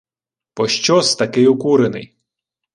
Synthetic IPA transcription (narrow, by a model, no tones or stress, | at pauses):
pɔʃt͡ʃɔst̪ɐkɪjukuɾenɪ̰j